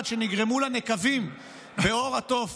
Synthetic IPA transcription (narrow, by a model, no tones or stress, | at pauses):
dʃeniɡʁe̞mulane̞kavim | be̞o̞ʁat̪o̞v